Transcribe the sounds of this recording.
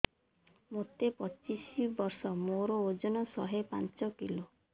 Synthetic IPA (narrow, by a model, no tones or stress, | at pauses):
mot̪epɔt͡ʃisibɔɾsɔmoɾood͡ʒɔnɔsɔɦepa̰nt͡ʃɔkilo